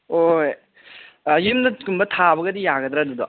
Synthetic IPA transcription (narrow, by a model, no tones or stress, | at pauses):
oj | jimnɐkunbɐt̪ʰabɐɡɐdijaɡɐd̪ɾeɐdud̪ɔ